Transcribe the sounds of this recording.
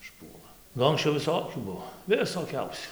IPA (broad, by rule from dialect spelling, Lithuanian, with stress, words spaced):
ɪʃˈpuɔlˠɐ ˈnʊ ɐŋksʲˈt͡ʃʲɛʊ ʋʲɪˈsoːkʲuː ˈbuɔ ʋʲɪsoːˈkʲɛʊsʲuː